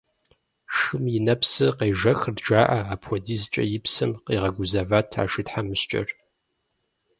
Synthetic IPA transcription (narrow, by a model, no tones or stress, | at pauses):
ʂɨmjɪnɐpʰsɨqeːʒɐxrd͡ʒaːʔɐaːpʰxʷɔdizt͡ʃʼɐ̰jɪpsɨmqiːʁɐɡʷʊzɐvaːtʰa̰ːʃitħamɨɕt͡ʃʼɐ̰r